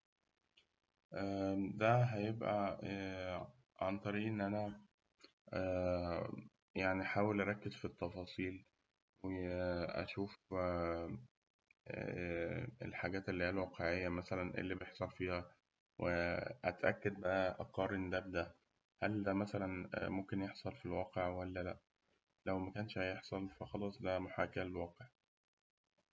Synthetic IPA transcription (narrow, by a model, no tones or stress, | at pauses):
ʔæd̪æɦæjebʔæ | ʕant̪ˤɑɾiːʔenːʔænæ | æ | jaʕniħaːwelʔæɾˤɑkːez̥fit̪ːɑfɑːsˤiːl | weʔæ̰ʃuːf | ḛlħaːɡæːt̪elːihiːælwɑːqeʕejːæmæsælænʔḛlːiːbejeħsˤɑɾfiːhæ | wʔeʔæt̪ʔækːæd̪̚bæʔæʔæqːɑːɾˤend̪æbd̪æʔ | hæld̪æmæsælænmomkenjeħsˤɑlfilwɑːqeʕwælːælæʔ | læwmækæːnʃæjeħsˤɑlfæxɑlɑsˤd̪æmoħaːkæælelwɑːqeʕ